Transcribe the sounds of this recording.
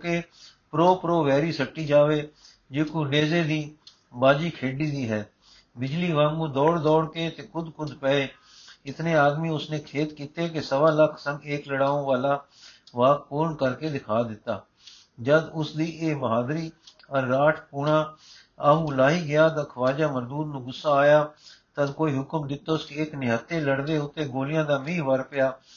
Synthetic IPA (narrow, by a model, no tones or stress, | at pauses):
keː | pɾoːpɾoːʋɛːɾiːsəʈːiːd͡ʒaːʋeː | d͡ʒeːkoːɖeːzeːd̪iː | baːd͡ʒiːkʰeːɖiːd̪iːɦɛː | bɪd͡ʒliːʋaːŋɡũːd̪ɔːɽd̪ɔːɽkeːt̪eːkʰʊd̪kʰʊd̪pɛːeː | ɪt̪nẽːaːd̪miːʊsnẽːkʰeːt̪kiːt̪eːkesəʋaːləkʰsəŋɡeːkləɽaːõːʋaːlaː | ʋaːk̚puːɾɳkəɾkeːd̪ɪkʰaːd̪ɪt̪ːaː | d͡ʒəd̪ʊsd̪iːʔeːbəɦaːd̪ɾiː | əɾːaːʈʰpuːɳãː | aɦuːlaːɦiːɡɪjaːt̪ãkʰəʋaːd͡ʒaːməɾd̪uːɾnũːɡʊsːaːaːjaːt̪əd̪koːiːɦʊkəmd̪ɪt̪ːoʊskeːknɪɦət̪ːeːləɽʋeːʊt̪ːeːɡoːlɪjãːd̪aːmĩːʋəɾpɪjaː